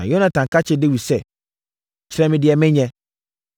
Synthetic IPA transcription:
ã̰˨jo˦nã˨tʰã˨ŋkʰa˦t͡ɕʰɪ˦dɪ˦wi˨sɛ˦˨ | t͡ɕʰɪ˦ɾɛ̃˦mɪ̃˨dɪ˨ɛ˨mɪ̃˦ɲɛ̃˦

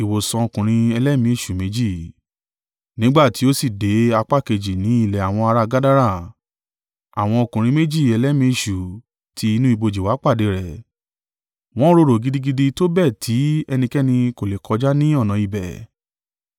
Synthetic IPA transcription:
i˨wo˨sã˧o˧kũ˨ɾ̃ĩ˧ɛ˧lɛ˦mĩ˧˦i˦˨ʃu˨me˨˦d͡ʒi˦˨ | nĩ˦ɡ͡ba˦˨ti˨˦o˦si˦˨de˨˦a˧k͡pa˦˨ke˧d͡ʒi˨nĩ˨˦i˦˨lɛ˨a˨w̃ɔ̃˧a˧ɾa˧ɡa˦da˦ɾa˦˨ | a̰˨w̃ɔ̃˧o˧kũ˨ɾ̃ĩ˧me˦d͡ʒi˦˨ɛ˧lɛ˦mĩ˧˦i˧˨ʃu˨ | tʰi˧i˧nũ˦i˦˧bo˧d͡ʒi˨wa˨˦k͡pa˦˨de˨˧˦ɾɛ˨ | w̃ɔ̃˦ɾo˧ɾo˨ɡi˦di˦ɡi˦di˧to˦bɛ˦˨tʰi˨˦ɛ˧nĩ˧kɛ˦nĩ˧ko˨le˨kʰɔ˨˧d͡ʒa˦nĩ˦ɔ˦˨nã˨i˨bɛ˨

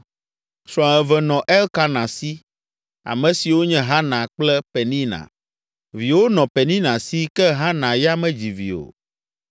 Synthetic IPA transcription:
sɾɔ̃˨ɛ˨vɛ˨nɔ̃˨ʔɛ˦lka˦nã˨si˦ | a̰˨mɛ̃˨si˨wo˦ɲɛ̃˦ɦa˦nã˨k͡plɛ˦pɛ˨nĩ˦nã̰˨ | vi˨wo˦nɔ̃˨pɛ˨nĩ˦nã˨si˦kɛ˦ɦa˦nã˨ja˦mɛ̃˦d͡ʑi˨vḭ˨o̰˨

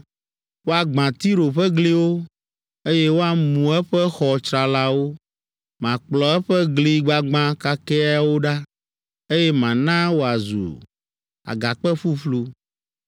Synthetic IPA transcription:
wo˦a˨ɡ͡bã˨t̪i˦ɾo˨ɸɛ˦ɡli˦wo˦ | e˦jɛ˦wo˦a˨mũ˨ɛ˦ɸɛ˦xɔ˨t͡ʃɾa˨la˦wo˦ | mã˨k͡plɔ˨ɛ˦ɸɛ˦ɡli˦ɡ͡ba˨ɡ͡bã˦ka˦kɛ˦a˦wo˦ɖa˦ | e˦jɛ˦mã˨nã˦wo˦a˨zṵ˨ | a̰˨ɡa˨k͡pɛ˦ɸu˦ɸlu˦

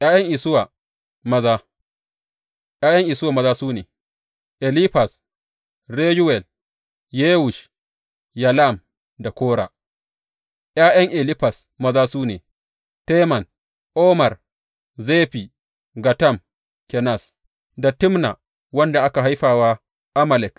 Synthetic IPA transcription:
ʔjaː˦jɐ˦ŋʔɪ˨sʊ˦wa˨ | mɐ˦zaː˦ | ʔjaː˦jɐ˦ŋʔɪ˨sʊ˦wa˨mɐ˦zaː˦suː˦neː˨ | ʔɛ˨li˦ɸa˨s | ɾeː˦ju˦wɛ˨l | jeː˦wʊ˨ʃ | ja˨la˦˨m | da˨kʷoː˦ɽa̰ː˨ | ʔjaː˦jɐ˦ŋʔe˨li˦ɸa˨s | mɐ˦zaː˦suː˦neː˨ | te˦mɐ˨n | ʔoː˦mɐ˨r | zeː˦ɸi˨ | ɡa˨tɐ˦˨m | kʲɛ˨na˦˨s | da˨tɪ˦mna̰˨ | wɐ˦nda˨ʔa˦ka˨ɦa˦jɸaː˨waː˦ | ʔa˦ma˨lɛ˨k

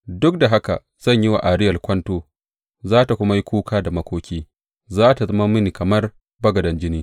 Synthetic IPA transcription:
dʊ˦k̚da˨ɦa˦ka̰˨ | z̥ɐ˦˨ɲjɪ˦wa̰˨ʔa˨ɾɪ˦jɐ˨rkʷɐ˦ntoː˦ | zaː˦ta˨kʷʊ˦ma˦ji˦kʷuː˦kʰaː˦da˨mɐ˦kʷoː˦kʲiː˦ | zaː˦ta˨zɐ˦ma˦mɪ˦niː˨kɐ˨mɐ˦r | bɐ˦ɡɐ˨dɐ˨nd͡ʒɪ˦niː˦

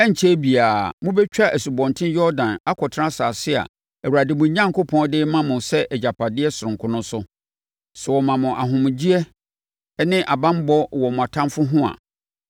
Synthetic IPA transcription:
ɛ˦ɲ̩˨t͡ɕʰɛ˦bi˨aː˨mʊ̃˦bɛ˦t͡ɕᶣa˦ʔæ˨su˨bɔ̃˨ntʰɪ̃˦njɔ˦ɾdã˨na˦kʰɔ˨tʰã˦saː˨sɪ˦a̰˨ | æ˨wu˨ɾa˨dɪ˨mʊ̃˨˦ɲã˦ŋko˦pʰɔ̃˦n˦dɪ˦mã˦mʊ̃˨sɛ˦ʔɛ˨d͡ʑa˨pʰa˨dɪ˦ɛ˦sʊ˨ʊ̃˨ŋ˨kʰʊ̃˦nʊ̃˦sʊ˦ | sɛ˨wɔ˨mã˨mʊ̃˨ʔa˨ɦʊ̃˨m̃˨d͡ʑi˦ɛ˦ | nɪ̃˦ʔa˨bã˦m˦bɔ˦wɔ˨mʊ̃˨a˨tʰã˦mfʊ˦ɦʊ̃˦a̰˨

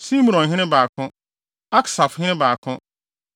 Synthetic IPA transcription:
sĩ˦mũ˨ɾɔ̃˨ɦɪ̃˦ɪ̃˦baː˨kʰʊ̃˦ | a˦kʰsa˨fhɪ̃˦ɪ̃˦baː˨kʰʊ̃˦

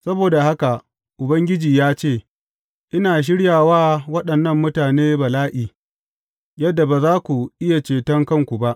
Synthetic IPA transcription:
sɐ˦boː˨da˨ha˦ka˨ | ʔʊ˨bɐ˦ŋɡʲɪ˦d͡ʒiː˨jaː˦t͡ʃeː˦˨ | ʔɪ˦naː˨ʃ̬ɪ˦ɽjaː˨waː˦wɐ˦ɗɐ˨nːɐ˦mːʊ˦taː˨neː˦bɐ˨laː˦ʔiː˨ | jɐ˦dːa˨ba˨zaː˦kʷu˨ʔɪ˦ja˨t͡ʃeː˨tɐ˦ŋkɐ˦˨ŋkʷu˨ba˦ʔ

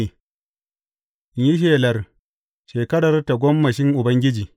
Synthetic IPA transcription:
i˨˦ | ji˦ʃ̬eː˨lɐ˨r | ʃeː˨kɐ˦ɽɐ˨rta˨ɡʷɔ˦mːɐ˨ʃɪ˦ŋʔʊ˨bɐ˦ŋɡʲɪ˦d͡ʒiː˨

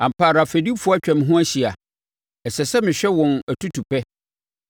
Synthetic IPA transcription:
ã˨m̩˨pa˨ɾa˨fe˨di˦fu˦ɔ˦t͡ɕᶣɛ̃˨m̃˦ɦʊ̃˦æ˦ɕi˨a˨ | ɛ˨sɛ˨sɛ˦mɪ̃˨ɕᶣɛ˦wɔ̃˨næ˨tʰu˦tʰu˨pɛ˦

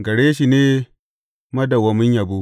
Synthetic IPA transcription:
ɡɐ˨ɽeː˦ʃi˨neː˦ | mɐ˦da˨wɐ˨mʊ˦ɲja˨bo˦

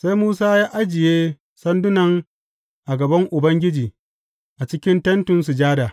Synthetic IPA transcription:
sa˦jmuː˦saː˦jaː˦ʔa˦d͡ʒɪ˨jeː˦ | sɐ˦ndʊ˦nɐ˨ŋ | ʔa˨ɡɐ˨bɐ˦ŋʔʊ˨bɐ˦ŋɡʲɪ˦d͡ʒiː˨ | ʔa˨t͡ʃɪ˦kʲɪ˦ntɐ˦ntʊ˨nsu˨d͡ʒaː˦daː˨

